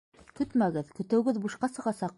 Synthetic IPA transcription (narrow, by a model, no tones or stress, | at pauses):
kɵt̪mæɡɘðkɵ̆t̪ɘ̆wɡɘðbuʃqɑsɤ̆ʁɑsɑq̚